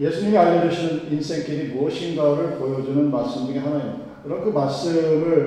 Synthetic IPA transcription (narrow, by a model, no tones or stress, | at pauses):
je̞sʰunɲiŋiaɭːʌd͡ʑuɕʰinɯninsʰeŋtʰiɾimuʌɕʰiŋɡʌɾɯɭpojʌd͡ʑunɯnmaɭs͈ɯmdɯɾiɦanainidakiɾʌnkɯmaɭs͈ɯmɯɭ